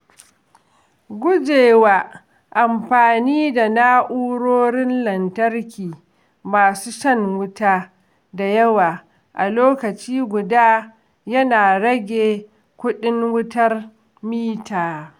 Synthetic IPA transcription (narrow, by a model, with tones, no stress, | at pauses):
ɡʷʊ˦d͡ʒeː˨waː˦˨ | ʔa˨mɸaː˨niː˦da˨naː˦ʔuː˦ɽoː˦ɽɪ˦nlɐ˨ntɐ˦rkʲiː˨ | maː˨suː˦ʃɐ˦ŋwʊ˦taː˦ | da˨jɐ˦waː˨ | ʔa˨loː˦kɐ˨t͡ʃiː˦ɡʷʊ˨daː˦ | jɐ˦naː˨ɽɐ˦ɡʲeː˨ | kʷʊ˦ɗɪ˦ŋwʊ˦tɐ˦r | miː˦taː˨